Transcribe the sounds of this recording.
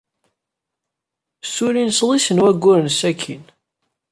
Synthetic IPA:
suɾinslˤisənwæɡʷːʊɾənsækʰːin

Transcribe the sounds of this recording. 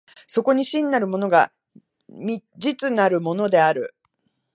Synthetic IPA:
so̞ko̞ɲ̟iɕĩnːaɾɯ̟mo̞no̞ɡa | mʲid͡ʑit͡sɨnaɾɯ̟mo̞no̞d̪e̞aɾɯ̟̰

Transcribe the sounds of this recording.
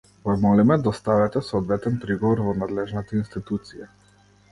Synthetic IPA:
vamɔlimɛd̪aɔst̪avɛt̪ɛsɔɔd̪vɛt̪ɛnpɾiɡɔvɔɾvɔnad̪lɛʒnat̪ainst̪it̪ut̪sija

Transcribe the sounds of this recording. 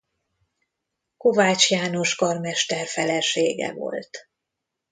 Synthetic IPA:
ko̞vaːt͡ʃjaːno̞ʃkɒrmɛʃt̪ɛrfɛlɛʃeːɡɛ̰vo̞̰lt̪

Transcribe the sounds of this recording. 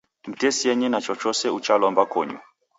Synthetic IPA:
m̩tʰʼesiɛɲɛnat͡ʃʰɔt͡ʃʰɔsɛut͡ʃʰalɔmbakʰɔ̰ːɲɔ̰

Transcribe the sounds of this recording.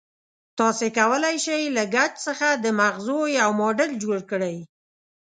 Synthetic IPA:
t̪ɑsekawəlajʃajlaɡat͡ʃsəxad̪əmaɣzojawmoɖəld͡ʒoɽkəɽaj

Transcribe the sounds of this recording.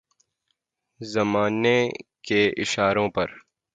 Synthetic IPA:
zɐmaːnekeɪʃaːɾõpɐɾ

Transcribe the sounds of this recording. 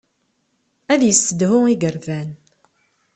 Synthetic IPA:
æðjəsːəd̪hʊiɡəɾvæn

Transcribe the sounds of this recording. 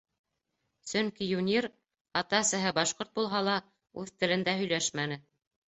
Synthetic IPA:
sɵŋkijunʲiɾ | ɑt̪ɑsɘ̆ɦɘbɑʃqoɾt̪̚bulˠɦɑlˠɑ | ʉðt̪ɘ̆lɘ̆nd̪æhɵ̆jlæʃmænɘ

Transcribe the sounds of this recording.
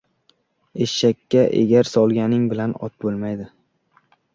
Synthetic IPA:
eʃʃakʲʰːaʔḛɡʲaɾsɒlˠɡʲanɪŋbɪlanɒ̰t̪̚bolˠmajd̪ɪ

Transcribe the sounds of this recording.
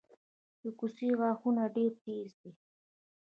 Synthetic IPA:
d̪əkusiɣɑxunaɖeɾt̪ezd̪i

